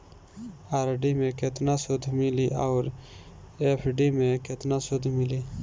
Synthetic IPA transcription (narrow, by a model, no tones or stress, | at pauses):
aːɾɖimẽket̪nasod̪ʱmiliʔawɾ | efʰɖimẽket̪nasod̪miliː